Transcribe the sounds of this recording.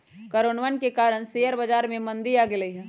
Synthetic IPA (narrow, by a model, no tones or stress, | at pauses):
kɐɾoːnʋənkekaːɾəɽ̃seːəɾbɐd͡ʒaːɾmẽmɐ̃nd̪ijaːɡɪləiɦɛ̃ː